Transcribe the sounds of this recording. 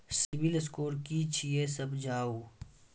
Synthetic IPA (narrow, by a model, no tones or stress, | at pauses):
sɪʋɪlskoːɾkit͡ʃʰiesɐbd͡ʒʱaːuː